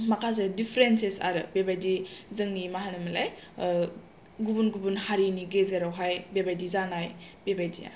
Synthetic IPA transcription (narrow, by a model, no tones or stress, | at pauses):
makʰas̬edipʰɾensesa̰ɾɯbebajdizɯŋnimaɦanamala̰j | ɡubunɡubunhaɾiniɡezeɾawɦajbebajdizanajbebajdḭa̰